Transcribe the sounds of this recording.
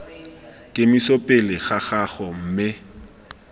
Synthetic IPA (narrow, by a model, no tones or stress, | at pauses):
kʼɪmisopʼɪlɪɣaχaχɔm̩mɪ